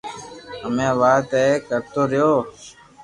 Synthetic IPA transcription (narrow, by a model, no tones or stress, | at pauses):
ɦəmẽːʋaːt̪eːkəɾt̪oːɾɪjoː